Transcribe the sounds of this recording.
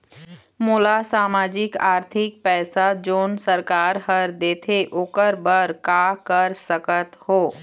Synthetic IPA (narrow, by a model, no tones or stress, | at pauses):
moːlasaːmaːd͡ʒɪkaːɾt̪ʰɪk̚pɛːsad͡ʒoːnsəɾkaːɾɦəɾd̪eːt̪ʰeʔʊkəɾbəɾkakəɾsəkət̪hoː